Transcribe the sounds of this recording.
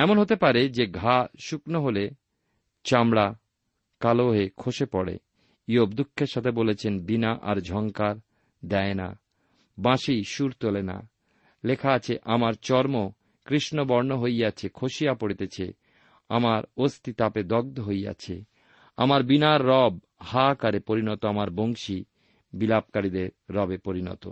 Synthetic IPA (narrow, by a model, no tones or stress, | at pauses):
ɛmonɦot̪epaɾed͡ʑeɡʱaʃuknoɦole | t͡ɕamɽa | kaloɦekʰoʃepɔɽḛ | iobd̪ukʰːeɾʃat̪ʰebolet͡ɕʰenbinaʔaɾd͡ʑʱɔŋkaɾ | d̪ɛena̰ | bãʃiʃuɾt̪olena̰ | lekʰaat͡ɕʰeʔamaɾt͡ɕɔɾmo | kɾiʃnobɔɾnoɦojat͡ɕʰekʰoʃiapoɽit̪et͡ɕʰe | a̰maɾost̪it̪aped̪ɔɡ̚d̪ʱoɦoja̰t͡ɕʰḛ | a̰maɾbinaɾːɔb | hakaɾepoɾinɔt̪oamaɾboŋʃi | bilap̚kaɾid̪eɾːɔbepoɾinɔ̰t̪o̰